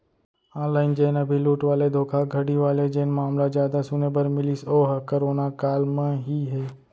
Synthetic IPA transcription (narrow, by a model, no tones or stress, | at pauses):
ɔ̃ːnlaːɪnd͡ʒeːnabʱiluːʈʋaːled̪ʱoːkʰaɡʱɐɽiʋaːled͡ʒeːnmaːmlad͡ʒjaːd̪asʊnebəɾmɪlisoːɦkəɾoːnakaːlmẽɦiɦɛː